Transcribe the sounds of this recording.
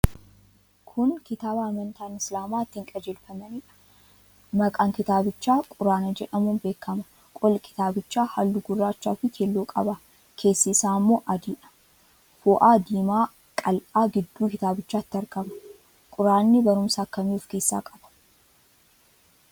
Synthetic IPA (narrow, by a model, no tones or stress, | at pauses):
kʰʊnkɪt̪aːbaːmɐnt̪aːnɪslaːmaːɪt̪ːɪŋkʼɐd͡ʒɛlfɐmɐniːᶑɐ̥ | mɐkʼaːŋkɪt̪aːbɪt͡ʃːaːkʼʊɾaːnɐd͡ʒɛᶑɐmuːnbe̞ːkːɐmɐ̥ | kʼɔlkʰɪ̥t̪aːbɪt͡ʃːaːhɐlːʊɡʊrːaːt͡ʃːa̰ːfɪkʰeːlːoːkʼɐbɐ | kʰe̞ːsːisaːmːoːʔɐd̪iːᶑɐ̥ | fʊʔaːd̪iːmaː | kʼɐlʔaːɡɪd̪ːuːkɪt̪aːbɪt͡ʃːaːt̪ːɪɐɾkɐbɐ̥ | kʼʊɾaːnːɪbɐɾʊmsaːkːɐmiːʊfkeːsːa̰ːkʼɐb̥ɐ̥